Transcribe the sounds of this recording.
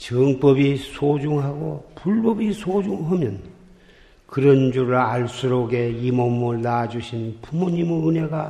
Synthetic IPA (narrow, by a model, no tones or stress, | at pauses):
t͡ɕɯŋp͈ʌbisʰod͡ʑuŋɦaɡopuɭbʌbisʰod͡ʑuŋɦamjʌn | kɯɾʌnd͡ʑuɾɯɭaɭs͈uɾoɡe̞imʌmɯɭnad͡ʑuɕʰinpumoɲimɯɯne̞ɡa